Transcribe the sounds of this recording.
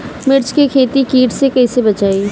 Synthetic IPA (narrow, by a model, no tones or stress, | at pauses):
mɪɾt͡ʃkekʰeːt̪ikiːʈsekɐisebɐt͡ʃaːi